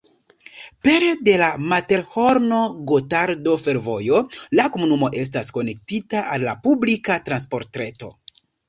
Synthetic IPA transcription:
peɾede̞lamate̞ɾho̞ɾno̞ɡotaɾdo̞fe̞ɾvo̞jo̞lako̞munumo̞ʔe̞s̬tasko̞ne̞k̚titaʔalːapublikatɾanspo̞ɾtɾe̞to̞

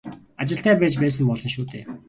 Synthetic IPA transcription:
at͡ɕɪ̆ɬt̪æːpæːt͡ɕpæːs̬ə̆mpɔɮɞ̆nʃuːt̪ḛː

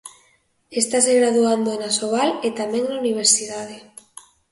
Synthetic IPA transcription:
est̪as̬eɣɾaðuand̪oenasoβalet̪amɛ̃ŋnauniβ̞eɾsiðað̞e

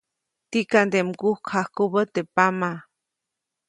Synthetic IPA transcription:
t̪ikand̪emkuhkʰahkubət̪epama

